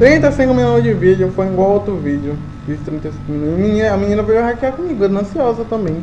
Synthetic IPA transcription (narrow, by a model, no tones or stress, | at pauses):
t̪ɾĩt̪ɐjsĩkʊmĩnud͡ʒɪvid͡ʒjʊfoj̃ɡwawot̪ɾʊvid͡ʒjʊ | vist̪ɾĩnt̪ɐjsĩkʊminumĩɲĩnɐɐmĩɲĩnɐvoɡoɦakiakõmiɡed̪nɐ̃siɔzɐt̪ɐ̃mbẽj̃